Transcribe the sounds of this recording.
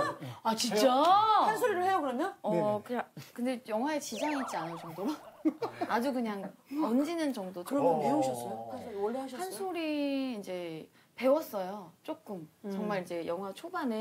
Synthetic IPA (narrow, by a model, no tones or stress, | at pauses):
at͡ɕint͡ɕ͈aansʰoɾiɾɯɭhejaɡɯɾʌnoʌkɯɲakɯnde̞jʌŋɦwaet͡ɕid͡ʑaŋit͡ɕ͈ianɯt͡ɕʌŋdoa | ad͡ʑukɯɲaŋʌnd͡ʑinɯnt͡ɕʌŋdotɯɾʌmeoɕʰʌs͈ʌjokansʰoɾiwʌʎːiɦaɕʰʌsʰansʰoɾiːnd͡ʑe̞ | pe̞wʌs͈ʌjot͡ɕ͈ok͈ɯmt͡ɕʌŋmaɾind͡ʑe̞jʌŋɦwat͡ɕʰobanɯ